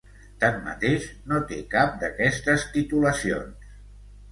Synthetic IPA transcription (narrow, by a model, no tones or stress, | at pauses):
t̪amːə̰t̪eʃnot̪ekap̚d̪əkɛst̪əst̪it̪uləsio̰ns